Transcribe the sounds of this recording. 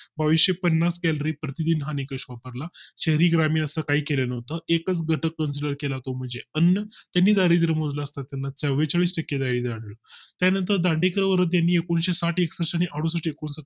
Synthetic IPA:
baʋiɕɕepənːaskɛlɾiːpɾət̪id̪iːnɦanikəɕʋapəɾlaɕeɦɾiːɡɾamiːəsəːkaɦiːkelenəɦt̪əekət͡sɡʱəʈʰəkːənsiləɾkelat̪om̤əɳd͡zeənːət̪janːiːd̪aɾiːd̪iɾəm̤od͡zlaəst̪at̪ːjanːat͡səwʋet͡saɭiːsʈəkːed̪aɾiːd̪aɽlət̪janənt̪əɾd̪aɳɖekəɾəʋəɾət̪̬janːiːekoɳɕesaʈeksəɕaɽ̃iʔaɽusəʈːekonsət̪

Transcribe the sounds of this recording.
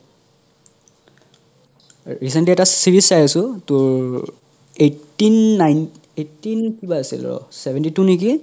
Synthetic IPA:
ɹisɛntliɛtasiɹisajasʊtʊɹ | etːinːajn | etːinkibaasḭl̰ɔ̰sɛbʱɛntitunik̬i

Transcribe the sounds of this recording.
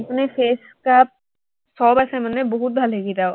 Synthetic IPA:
pnefʰeːs | kap̚ | sɔbasɛmənebɔɦut̪̚bʱalɦeɡit̪ao

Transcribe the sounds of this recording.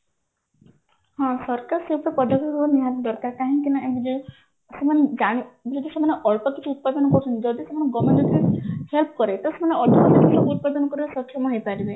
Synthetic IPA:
hãsɔɾkaɾseupɾepɔd̪ʱɔkɦbaniɦanɖɔɾkaɾkaɦĩkinaebid͡ʒe | semaned͡ʒaɽ̃id͡ʒɔd̪isemɔneʔɔɭpɔt̪ikʰiut̪̚pad̪ɔnɔkɔɾut͡ʃʰɔnt̪id͡ʒɔd̪isemɔneɡɔmendɔt̪ʰihelpkɔɾet̪semaneɔɭtɔkɔt̪ikʰisɔbuut̪̚pad̪ɔnɔkɔɾiɾesɔkʰɔmɔɦojpaɾibe

